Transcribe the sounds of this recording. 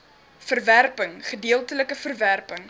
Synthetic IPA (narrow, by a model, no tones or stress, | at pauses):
fərværpəŋχədiəlˠtələkəfərværpəŋ